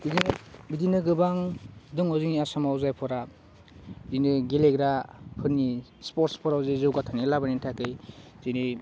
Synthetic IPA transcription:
biibidinɯɡɯbaŋdɯŋɔzɯŋiasamawzajpʰɔɾa | zinɯɡeleɡɾahʰɯni | spɔɾtspʰɔɾawzajzɯwɡatʰanilabanintʰakɯjz̥ini

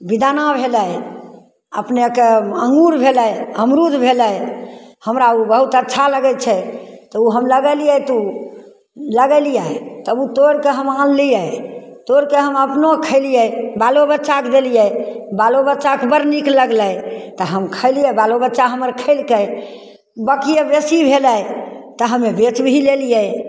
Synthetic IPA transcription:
bid̪anabʱeləj | əpnekeə̃ŋɡuɾbʱeləjəmɾud̪ʱbʱeləjhəmɾaubəɦut̪ətːʃʰaləɡɛt͡ʃʰɛt̪ɔuɦəmləɡəlijət̪u | ləɡəlijət̪əbut̪oɾkeɦəmãnlijə | t̪oɾkeɦəməpnokʰəɪlijəbalobətːʃakd̪elijəbalobətːt͡ʃakbəɾnikləɡlət̪ɔɦəmkʰəɪlijɛbalobətːʃaɦəməɾkʰəɪlkə | bəkijebesibʱeləjt̪ɔɦəmebet͡ʃbʱilelijə

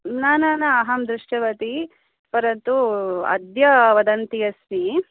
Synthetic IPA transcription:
naːnaːnɐːɦɐmd̪ɾuʂʈɐʋɐt̪i | pɐɾɐt̪uɐ̰d̪jɐʋɐd̪ɐnt̪ijɐsmi

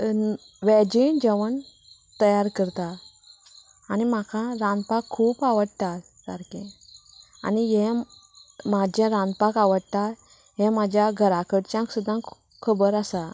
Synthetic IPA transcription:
ʋɛd͡ʑiɳd͡ʑəʋəɳ | t̪əjaɾkəɾt̪a | nim̤akʰãɾãnd̪pakʰːuːpaʋəɽt̪at̪ | ka̰ɾkɛ̃ | a̰niɦɛ̃ | mad͡ʑɛ̃ɾãnd̪̚pakaʋəɽt̪at̪ | ɦɛ̃mad͡ʑʱjaɡʱəɾakəɽt͡ɕjãksud̪ʱːãk | kʰəbəɾasa

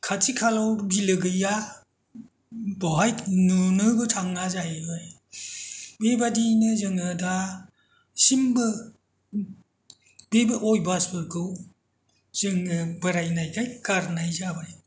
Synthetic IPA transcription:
kʰatʰikʰalawɾbilɯɡɯja | bɔɦajnunɯbɯtʰaŋnazaɯj | bebadinɯzɯŋɯda | simbɯ | bebɯʔojbasbɯɾkʰɯw | z̥ɯŋɯbɯɾajnajɡʰajkaɾnajzabaj

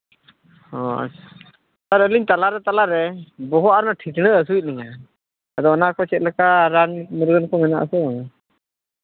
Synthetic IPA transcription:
hɔa̰ḁ | st̪aɾəliɲt̪alaɾɛt̪alaɾɛbɔɦɔʔaɾnaʈʰit̪nəəs̬uic̚ˀnɛɲa | ad̪ɔnakɔt͡ʃɛt̪̚ləkaɾanməɾɡənkɔmɛna̰ʔa̰sɛɔna

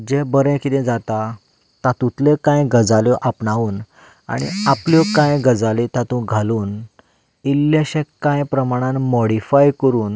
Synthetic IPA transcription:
d͡ʑɛ̃bəɾɛ̃kit̪ɛ̃d͡zat̪a | t̪at̪ũt̪lekãjɡəd͡zaljɔʔapɳaʋuːn | a̰ɽ̃ḭapljɔkãjɡəd͡zalit̪at̪ũɡʱaluːn | ilːjaɕɛ̃kãjpɾəmaɽ̃ãnmɔɽifajkəɾuːn

